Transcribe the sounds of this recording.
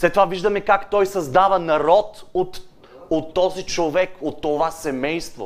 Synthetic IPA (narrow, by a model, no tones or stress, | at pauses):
slɛt̪ːovaviʒd̪ɐmɛkakt̪ɔjsɐzd̪avɐnɐɾɔt̪ot̪ | ot̪ːɔzit͡ʃovɛkot̪ːovasɛmɛjst̪vo̰